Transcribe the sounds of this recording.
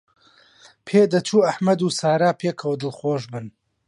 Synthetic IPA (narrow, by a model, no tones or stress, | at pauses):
pʰeːd̪ɐt͡ʃʰuːɐħmɐd̪uːsaːɾaːpʰeːkʰɐwd̪ɨlxoːʒbɨn